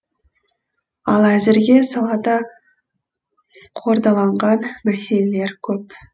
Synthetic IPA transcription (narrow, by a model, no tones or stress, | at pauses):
ɑlˠæzɪɾɡʲe̞sɑlˠɑd̪ɑ | qʰo̞ɾd̪ɑlˠɑɴʁɑnmæse̞lele̞ɾkʲʰɵp